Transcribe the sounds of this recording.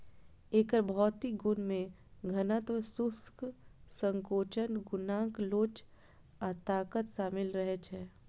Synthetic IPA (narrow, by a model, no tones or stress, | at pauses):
eːkəɾbʱɔːt̪iɡʊnmẽ | ɡʱɐnət̪ʋəsʊsksə̃ŋkoːt͡ʃənɡʊnãːkloːt͡ʃ | at̪aːkət̪ʃaːmɪlɾɐɦɛt͡ʃʰɛː